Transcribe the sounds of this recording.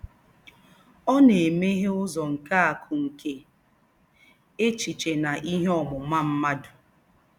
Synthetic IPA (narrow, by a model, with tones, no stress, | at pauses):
ɔ˦ne˨me˦ɦe˦ʊ˦zɔ˨ŋ̩˨ka˦a˨kʰʊ˨ŋ̩˨ke˨ | e˦t͡ʃi˨t͡ʃe˨na˨ʔi˦ɦe˦ɔ˨mʊ˨ma˦m̩˦ma˦dʊ˨